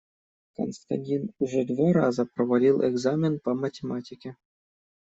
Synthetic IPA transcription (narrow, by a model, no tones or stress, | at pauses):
ko̰nst̪ɑ̰nʲtʲinʐɘ̆d̪voɾɑzɑprovalʲilˠʔḛɡzamʲenpɑmatʲemɑtʲikʲe